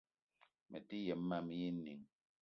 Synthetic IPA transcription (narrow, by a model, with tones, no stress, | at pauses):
mʔɛ̰˨ti˦jɛ˨mː˦a˦mi˦ji˦ni˨ŋ